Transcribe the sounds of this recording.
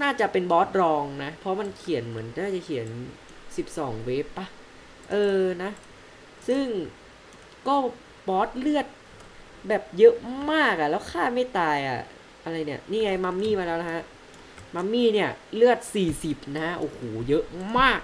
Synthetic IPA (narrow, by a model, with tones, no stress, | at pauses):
naː˥˩t͡ɕa˨˩pe˧nbɔː˦˥t̪̚ɾɔː˧ŋna˦˥pʰɾɔ˦˥ma˧nkʰi˨˩˦nmɯ˩˦nnaː˥˩t͡ɕa˨˩kʰi˨˩˦ə˦n | si˨˩p̚sɔː˩˦ŋweː˦˥pːa˧˩ | ʔɤː˧na˦˥ | sɯ˥˩ŋ | kɔː˥˩ | bɔː˦˥t̪̚lɯ˥˩ət̪̚ | bɛː˨˩p̚jɤ˦˥ʔmaː˥˩k̚ʔa˨˩lɛː˦˥wkʰaː˥˩ma˥˩jt̪aː˧jʔa̰˨˩ | ʔa˧ɾa˧jni˥˩ɐniː˥˩ŋa˧jma˧mːiː˥˩maː˧lɛː˦˥wla˦˥kʰa˦˥ʔ | ma˧˥mːiː˥˩ni˥˩ɐlɯ˥˩ət̪̚siː˨˩si˨˩p̚na˦˥ʔoː˨˩hoː˩˦jɤ˦˥ʔmaː˥˩k̚